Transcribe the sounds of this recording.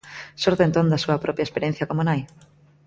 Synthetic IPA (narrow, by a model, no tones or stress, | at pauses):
soɾðent̪ond̪asuapɾopjaespeɾjen̟θjakomonaj